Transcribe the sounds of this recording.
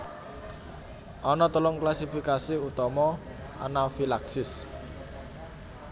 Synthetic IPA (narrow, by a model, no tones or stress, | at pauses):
ʔɔnɔt̪əlʊŋklasifikasiut̪ɔmɔ | ʔa̰nafilaksɪs